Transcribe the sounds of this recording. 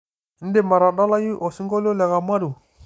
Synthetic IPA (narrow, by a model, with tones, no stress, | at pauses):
n̩˦de˦˨ma˨ɾa˨da˦la˦ji˦ʔɔ˨si˦ŋɡɔ˦lɔ˦lɛ˨ɣa˨ma˦du˨